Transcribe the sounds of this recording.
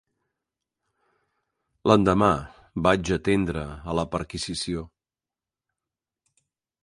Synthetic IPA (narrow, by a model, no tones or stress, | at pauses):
lənd̪əma | bad͡ʒət̪end̪ɾəələpəɾkizisio